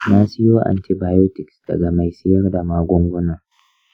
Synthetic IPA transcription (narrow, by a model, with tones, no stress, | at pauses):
naː˦sɪ˦joː˦ʔa̰˨nti˨baː˨jo˦tɪ˨ksd̥ɐ̰˨ɡa˨ma˨jsɪ˦jɐ˦rda˨maː˦ɡʷɔ˦ŋɡʷʊ˦nɐ˦˨r